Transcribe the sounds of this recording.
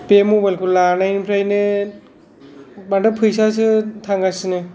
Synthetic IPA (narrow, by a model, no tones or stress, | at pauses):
pemobajlkʰɯlanajnɯpʰɾajnɯ | bandapʰɯjs̬as̬ɯtʰaŋɡasɯnɯ